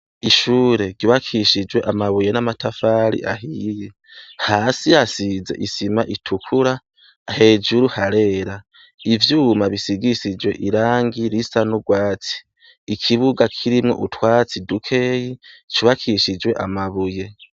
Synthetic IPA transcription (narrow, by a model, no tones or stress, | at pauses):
iʃuːɾe̞ɡɟiβakʰiʃid͡ʒwe̞ʔamaβuje̞namatafaːɾḭʔaɦije | haːsijasize̞̰ʔisimaʔitʰukʰuɾaː | he̞ːd͡ʒuɾuhaɾe̞ːɾa | ivjuːmaβisiɡisid͡ʒwe̞ʔiɾaːŋɡiɾisanuɡwaːt͡si̥ː | kʰiβuɡakʰiɾimŋo̞̰ʔutwaːt͡sidukʰe̞ːjit͡ʃuβakʰiʃid͡ʒwe̞ʔamaβuje̞